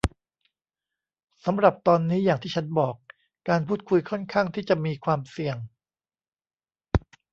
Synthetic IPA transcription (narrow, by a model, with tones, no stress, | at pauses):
sa˩˦mɾa˨˩p̚t̪ɔː˧nːiː˦˥jaː˨˩ŋt̪ʰiː˥˩t͡ɕʰa˦˥nbɔː˨˩kː | aː˧npʰuː˥˩t̪̚kʰu˧jkʰɔ˥˩nkʰaː˥˩ŋt̪ʰiː˥˩t͡ɕa˨˩miː˧kʰwaː˧msi˨˩əŋ